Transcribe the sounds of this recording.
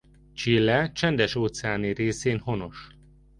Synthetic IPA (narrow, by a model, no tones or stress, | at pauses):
t͡ʃilːɛt͡ʃɛnd̪ɛʃoːt̪sɛaːnireːseːnho̞no̞ʃ